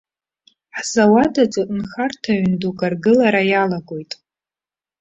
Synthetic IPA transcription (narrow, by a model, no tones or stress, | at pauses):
ħzawadat͡ʃʼɨʔʼnχartʰaɥnduɡʼarɡɨlaɾajalaɡo̞jtʼ